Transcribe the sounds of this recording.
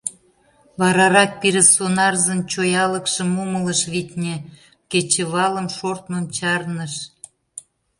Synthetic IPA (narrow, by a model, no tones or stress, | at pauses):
βɑɾɑɾɑk̚piɾesonɑrzəmt͡ɕojɑləkʃəmumələʃβit̪ʲnʲe | ket͡ɕəβɑlə̆mʃort̪məmt͡ɕɑrnəʃ